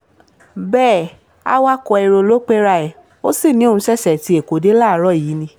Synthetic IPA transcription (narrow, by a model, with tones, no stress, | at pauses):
bɛː˦˨ | a̰˦wa˦kɔ˧i˧ɾo˧lo˦k͡pe˦ɾa˧ɛ˨ | o˦si˦˨nĩ˦õ˦˨ũ˧ʃɛ˦˨ʃɛ˨ti˧˦e˨ko˨˦de˦laː˦˨˦ɾɔ˦˨i˨˦nĩ˧